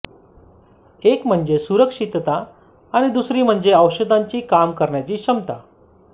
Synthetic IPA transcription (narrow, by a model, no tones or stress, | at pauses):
ekm̤əɳd͡zesuɾəkʂit̪t̪aː | ɽ̃id̪usɾiːm̤əɳd͡zeəwɕəd̪ʱaɲt͡ɕiːkamkəɾɳjat͡ɕiːɕəmt̪a